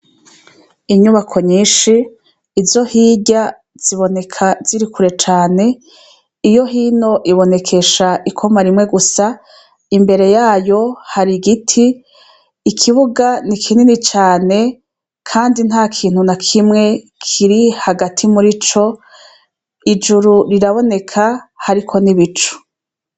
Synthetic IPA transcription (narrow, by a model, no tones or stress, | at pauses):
iɲuβakʰo̞ɲiːʃiː | zo̞hiːɟa | z̥iβo̞nekʰaz̥iɾikʰuɾe̞t͡ʃaːne̞ | ijo̞ɦiːno̞ʔiβo̞ne̞kʰe̞ʃaʔikʰo̞maɾimŋe̞ɡusa | imbe̞ɾe̞jaːjo̞haɾiɡitʰiː | kʰiβuɡanikʰininit͡ʃaːne̞ | kʰaːndin̥ɦaːkʰiːn̥hunakʰimŋe̞ | kʰiɾihaɡatʰimuɾit͡ʃo̞ | id͡ʒuɾuɾiɾaβo̞ne̞kʰahaɾikʰo̞niβit͡ʃu̥